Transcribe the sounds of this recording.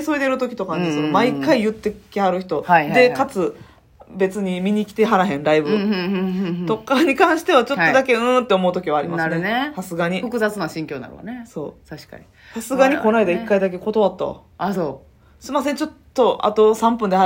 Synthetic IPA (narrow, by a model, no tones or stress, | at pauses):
so̞ɾed̪eiɾɯ̟t̪o̞kʲi̥t̪o̞kanesonomaikːaijɯ̟t̪ːe̞kʲihaɾɯ̟çi̥t̪o̞d̪e̞kat͡sɨ | be̞t͡sɨɲ̟imʲiɲ̟ikʲi̥t̪e̞ɦaɾaɦẽ̞nɾaibɯ | d̪o̞kːaɲ̟ikãɰ̃ɕi̥t̪e̞βat͡ɕo̞to̞d̪ake̞ɯ̟̃ːt̪ːe̞o̞mo̞ɯ̟t̪o̞kʲiβaːɾʲimasɾnenesasɨɡaɲ̟iɸɯkɯzat͡sɨnoaɕĩŋkʲoːna̰ɾɯ̰a̰neso̞̰ːsaɕi̥ka̰ɲi | sasɨɡaɲ̟iko̞naid̪aikːaid̪ak̬e̞ko̞t̪o̞βat̪ːa̰ | asoː | ɕimase̞ɲ̟t͡ɕo̞t̪ːo̞ʔa̰t̪o̞sãmpɯ̟nd̪ea